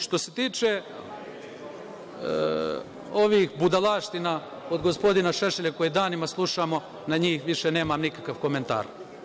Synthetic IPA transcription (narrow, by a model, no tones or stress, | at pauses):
ʃt̪o̞se̞t̪iːt͡ʃe | o̞ʋiːxbud̪alaːʃt̪ina | od̪ɡo̞spo̞d̪inaʃeʃeʎakojid̪aːnimaslˠuʃamo̞ | naɲiːxʋiʃene̞ːmaːmnikakaʋko̞me̞nt̪a̰ːɾ